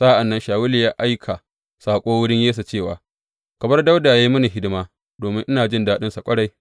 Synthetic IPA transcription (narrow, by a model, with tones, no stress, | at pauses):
sa˦ʔa˨nːɐ˦nʃaː˨wʊ˦li˨jaː˦ʔa˦jkʰa˨ | saː˨kʷʼoː˦wʊ˦ɽɪ˦ɲjeː˦s̬a˨t͡ʃeː˦˨wa̰ː˨ | kɐ˨bɐ˦rda˦wda˨a˨ji˦mʊ˦ni˨ɦɪ˦dɪ˦maː˦ | doː˨mɪ˦ŋʔɪ˦naː˨d͡ʒɪ˦ndaː˦ɗɪ˦nsa˨kʷʼɐ˦ɽa˨j